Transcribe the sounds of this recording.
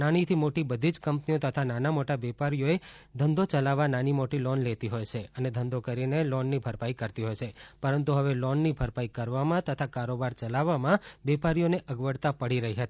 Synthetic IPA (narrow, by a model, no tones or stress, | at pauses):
nañit̪ʰimoʈibəd̪ʱid͡ʒkəmpniot̪ət̪ʰananamoʈabɛpaɾijoed̪ʱənd̪ot͡ʃəlaʋananimoʈilɔnlet̪iɦojt͡ʃʰeəned̪ʱənd̪okəɾinelɔnːibʱəɾpaikəɾt̪iɦojt͡ʃʰepəɾənt̪uɦəʋelɔnːibʱəɾpaikəɾʋamãt̪ət̪ʰakaɾobaɾt͡ʃəlaʋamãbɛpaɾijoneʔəɡʋəɽt̪apəɽiɾəɦiɦət̪i